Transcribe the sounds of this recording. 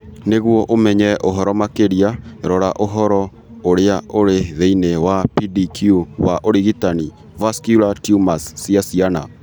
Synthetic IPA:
neɣwɔʔomɛɲɛʔoɦɔɾɔmakeɾiaɾɔɾaʔoɦɔɾɔ | oɾeaʔoɾeðeinewapidikʰjuwaʔoɾiɣitani | vaskjulatjumasːiasiana

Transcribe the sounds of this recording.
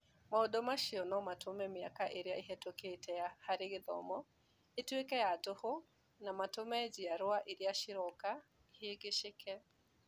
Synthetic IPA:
maodɔmaʃiɔnɔmatʰomɛmiakaʔeɾeaiɦɛtoketʰɛjahaɾeɡeðɔ̰mɔ | etwekɛjatoho | namatomɛd͡ʒijaɾwaʔeɾiaʃiɾɔka | heɡeʃekɛ

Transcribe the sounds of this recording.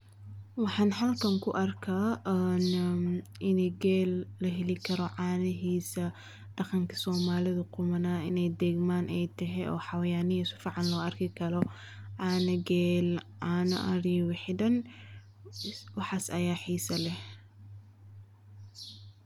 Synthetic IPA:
wɑħɑːnɦɐlkʰɐŋkʰʊʔɐrkʰaːʔn | ʔɪnɛɡɛːlːɐɦɛlɪkʰɐɾɔʕɑːnɪɦiːsɐ | ɖ̥ɑqɑŋkʰɐ̥sɔːmaːlɪðɐqʊmɐnaːɪ̰nɛjd̪ɛːɡmaːnʔɛjt̪ʰɐɦɛɔ̰ːħɑwɐjaːnɪsʊ̥fɑʕɑnlɔːɐrkʰɪkʰɐɾɔ | ʕɑːnɐɡɛːlʕɑːnɐ̰ʔɐɾiːwɪħɪd̪ɐn | wɑħɑːsɐjaːħiːsɐlɛh

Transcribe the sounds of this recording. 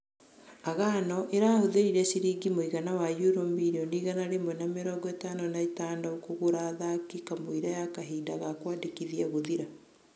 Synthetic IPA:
aɣaːnɔʔeɾaːhoðeɾiɾɛsiɾiɡimoiɣanawajuɾomiɾiɔniɣanaɾemwɛnameɾɔːɡɔetaːnɔnaetaːndɔokoɣoɾaðakikamoiɾajakaɦiːdaɣakwaːdekiðiaɣoðiɾa

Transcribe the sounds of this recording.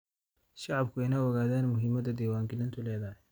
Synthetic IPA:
ʃɑʕɑbkʰʊɛjnaːwɔɣaːðaːnmʊɦɪmɐd̪ɐd̪ɛːwaːŋɡɪlɪnt̪ʰʊlɛːðɐɦɛ

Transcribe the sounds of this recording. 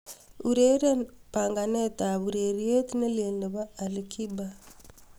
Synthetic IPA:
uɾeɾapaŋɡanetaβuɾeɾietineleːndiβaːlikʰiba

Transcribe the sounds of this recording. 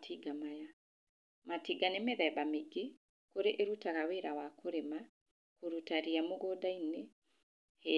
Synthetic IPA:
tʰiɡamaja | matiɡanemeðɛbameɡe | koɾeʔeɾutaɣaweɾawakʰoɾema | koɾutaɾiamoɣodaine | he

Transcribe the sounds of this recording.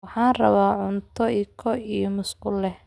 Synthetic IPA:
wɑħɑːnrɐ̰βaːʕʊnt̪ʰɔikʰɔijɔmʊskʊlːɛh

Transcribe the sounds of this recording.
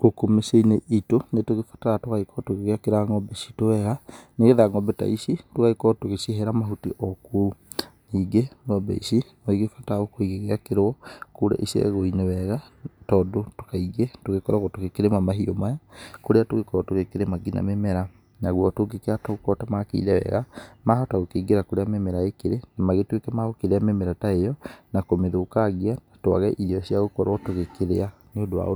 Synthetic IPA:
kokomeseineʔitonetoɣefḁtaatoɣaikʰɔtoɣeɣeakeɾaŋɔbesi̥towɛɣaneɣeðaŋɔbɛta̰isitokaikɔtoɣeseɦɛɾamaɦutiʔɔku | niːɡeŋɔbɛ̰isinɔiɣefataɣokoiɣeɣeakeɾɔkoɾa̰ʔisiḛɣoinewɛɣatɔːdotokaiɣetoɣekɔɾaɣɔtoɣekeɾemamaɦiomajakoɾeatoɣekɔɾɔtoɣekeɾemaɡina̰memɛɾa | naɣwɔtoɡekeatɔokɔtamakḛḭðɛwɛ̰ɣamahɔtaɣokeiɡeɾakoɾeamemɛɾaekeɾenamaɣetwekɛmaɣokeɾeamemɛɾataejɔnakomeðokaɣiaatoa̰ɣɛʔiɾiɔsiaɣokɔɾɔtoɣekeɾḛaneodowa̰o

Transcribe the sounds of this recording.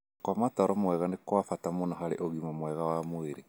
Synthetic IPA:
kwamataɾɔmwɛɣanekwafatamonaɦaɾḛʔoɣimamwɛɣawamweɾe

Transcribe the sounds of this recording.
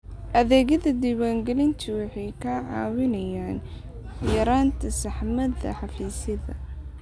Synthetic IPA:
ʔɐðɛːɣɐðɐd̪iːwaːŋɡɛlɪnt̪ʰʊwɑħɑjkʰɐʕɑːwɪnɐjaːn | jɐɾaːnt̪ʰɐsɐħmɐðɐ̰ħɑfiːsɐðɐ̰

